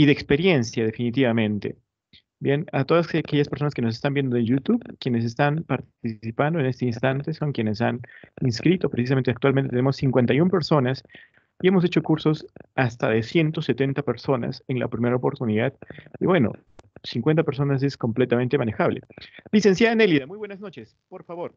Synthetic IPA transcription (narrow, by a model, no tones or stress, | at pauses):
iðeːkspe̞ɾje̞nsjaðe̞finit̪̬iβamẽ̞nt̪e̞̰ | bje̞nat̪o̞ðasake̞ʝaspeɾso̞naskeno̞s̬est̪ambje̞nd̪oeʝut̪uβkjenes̬e̞st̪anpaɾt̪iisipand̪oe̞ne̞st̪einst̪ant̪e̞so̞ŋkje̞ne̞s̬a̰ninskɾit̪o̞pɾesis̬ament̪eakt̪walmẽnt̪et̪enemosːiŋkwe̞nt̪ajumpe̞ɾso̞nas | ie̞mo̞s̬e̞t͡ʃo̞kuɾso̞sast̪aðe̞sje̞nt̪o̞set̪e̞nt̪ape̞ɾso̞na̰senla̰opɾime̞ɾaopo̞ɾt̪uniðaðiβwe̞no̞̰ | siŋkwe̞nt̪̬ape̞ɾs̬o̞nas̬e̞sko̞mple̞t̪ament̪emane̞xaβle̞̰lise̞ns̬jaðeneliðamujβwe̞nazno̞t͡ʃe̞s | po̞ɾfaβo̞ɾ